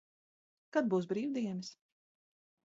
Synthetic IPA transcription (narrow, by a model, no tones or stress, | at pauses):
kad̪̚buːs̬bɾiːwd̪iɛnɨs